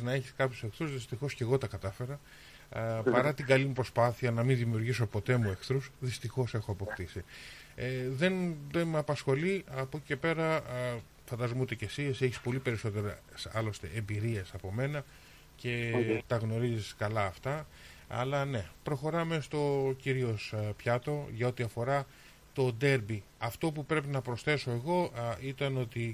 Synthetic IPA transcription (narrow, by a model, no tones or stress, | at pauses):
znɐe̞çi̥skɐpçose̞kθɾuzðist̪ixo̞sce̞ɣo̞t̪ɐkɐt̪ɐfe̞ɾɐ | pɐɾɐt̪iɡɐlimupɾo̞spɐθiɐnɐminðimiuɾʝisopo̞t̪e̞mue̞kθɾusðist̪ixo̞se̞xoɐpokt̪isieðe̞nðenmeɐpɐsxo̞liɐpo̞cice̞pe̞ɾɐ | fɐnd̪ɐzomut̪ece̞siseçispo̞lipe̞ɾiso̞t̪e̞ɾɐsɐlo̞st̪e̞̰ʔembiɾiesɐpo̞me̞nɐ | ce̞t̪ɐɣno̞ɾiziskɐlɐːft̪ɐ | ɐ̰lɐne̞pɾo̞xo̞ɾɐme̞st̪o̞ciɾio̞spçɐt̪o̞ʝɐo̞t̪iɐfo̞ɾɐ | t̪o̞d̪e̞ɾbi | ɐft̪o̞pupɾe̞penɐpɾo̞sθe̞so̞e̞ɣo̞it̪ɐno̞t̪i